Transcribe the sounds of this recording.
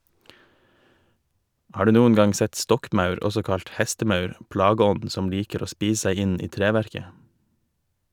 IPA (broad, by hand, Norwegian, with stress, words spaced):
ˈhɑːɾ ˈdʉː ˈnuːən ˈɡɑŋ ˈsɛt ˈstɔkˌmɑʉɾ ˈɔsɔ ˈkɑʎt ˈhɛstəˌmɑʉɾ ˈpɽɑˌɡɔn̩d ˈsɔm ˈliːkəɾ ˈoː ˈspiːs ˈseɪ ˈɪn ˈiː ˈtɾeːʋæɾkə